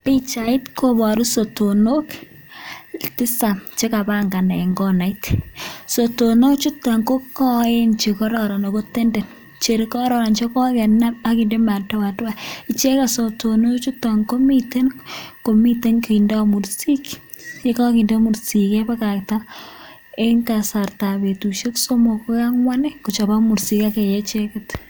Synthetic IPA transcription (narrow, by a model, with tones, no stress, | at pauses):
pi˦t͡ʃai˦tkʰobɔ˨ɾu˦so˨tono˦k | tɪ˦sa˨nt͡ʃe˦ka˨ba˦ŋɡa˨ne˨ŋɡɔ˦na˨ɪtso˨tono˦kt͡ʃu˦ta˨ŋko˦kɔ˦e˦nt͡ʃe˨kɔɾɔ˨ɾa˨no˨ko˦te˦nde˨n | t͡ʃe˨ɾi˨kɔ˦ɾɔ˨ɾa˨nt͡ʃe˦kɔ˦kɛ˨na˦paki˨nde˦ma˨tɔ˦wa˨twa˨i˨t͡ʃe˦kaso˨tono˦t͡ʃu˦tːaŋko˦mi˦te˦nko˨mi˦te˦nke˨indamursi˦kje˦kɔ˦ki˨nde˦mu˨ɾsi˨kɛ˦pa˦ka˨k̚ta | e˦ŋtasa˨rta˨be˨tu˨ʃe˦kso˦mo˨ko˦ka˦ŋwa˦ne˦ku˨t͡ʃɔ˨ba˦mu˨ɾsi˦kake˨jet͡ʃekɪt